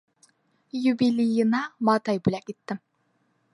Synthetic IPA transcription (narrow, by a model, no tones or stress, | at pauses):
jubilʲijɨnɑmɑːt̪ɑjbulʲækʲit̪ːɪm